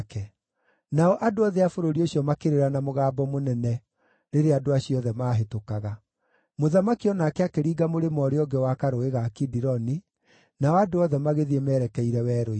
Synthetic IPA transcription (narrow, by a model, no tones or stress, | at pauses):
kɛ | naɔʔadoɔðɛafoɾoɾioɕjɔmakeɾeɾanamoɣaːbɔmonɛnɛ | neɾeadoaɕiɔðɛmaːɦetokaɣa | moðamakiɔnakɛakeɾiːɡamoɾemɔɾeɔɡɛwakaɾoeɣakidiɾɔni | naɔadoɔðɛmaɣeðiɛmɛːɾɛkɛiɾɛwɛːɾoi